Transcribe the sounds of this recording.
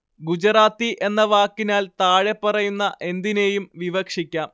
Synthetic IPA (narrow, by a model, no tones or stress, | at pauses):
ɡud͡ʑraːt̪ːiʔe̞nːɐʋaːkːinaːlt̪aːɻe̞pːɐrɐjunːɐʔe̞nd̪ine̞jumʋiʋɐkʂikʲːaːm